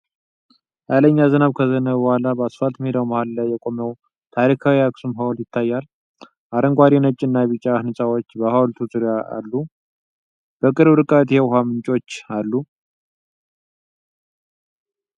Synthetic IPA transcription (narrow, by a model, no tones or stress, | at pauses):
jaləɲːazənaβkʰəzənəβbəhʷalabəasfat̪mhed̪awmahallajːɛkʼo̞məw | t̪ʰaɾikʰawiaksumɦawljɪt̪ʰːajːal | ʔaɾəŋɡʷaɾinət͡ʃʼːɪnːajβɨt͡ʃʼːahɨnɨsʼawo̞t͡ʃːbəhawlt̪ʰuzʼuɾjaa̰lːu | b̥əkʼɨɾbɾɨkʼət̪hewɦamɨnt͡ʃʼo̞t͡ʃːalːu